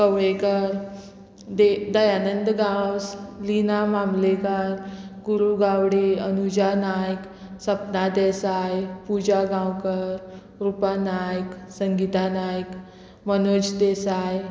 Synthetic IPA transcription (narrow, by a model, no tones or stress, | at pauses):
kəʋekəɾ | d̪ed̪əjanənd̪ɡawslinamamlekəɾɡuɾuɡawɽeənud͡ʑanajk | səpnad̪ɛsajpud͡ʑaɡãwkəɾ | ɾupanajksəŋɡit̪anajk | mənod͡ʑd̪esaj